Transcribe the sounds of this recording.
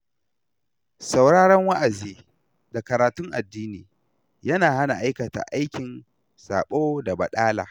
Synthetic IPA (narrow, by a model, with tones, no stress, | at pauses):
sa˨wɽaː˦ɽɐ˦ŋwa˦ʔa˨ziː˦ | da˨kɐ˨ɾaː˨tʊ˦ŋʔa̰˨dːiː˦niː˨ | jɐ˦naː˨ha˦na˨ʔa˦jkɐ˨ta̰˨ʔa˦jkʲɪ˨n | sa̰ː˨ɓoː˦da˨bɐ˨ɗaː˦la̰ː˨